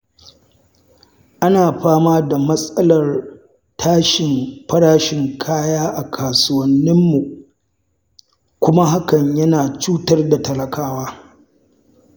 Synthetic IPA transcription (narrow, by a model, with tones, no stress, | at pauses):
ʔa˦naː˨ɸaː˦maː˦da˨mɐ˦sʼɐ˦lɐ˨r | tʰaː˦ʃɪ˨mɸɐ˦ɽaː˦ʃɪ˨ŋkʰaː˦jaː˦ʔa˨kʰaː˨sʊ˦wɐ˨nːɪ˦mːu˨ | kʷʊ˦ma˦ɦa˦kɐ˨ɲjɐ˦naː˨t͡ʃuː˦tɐ˦rda˨tɐ˨lɐ˨kʰaː˦waː˦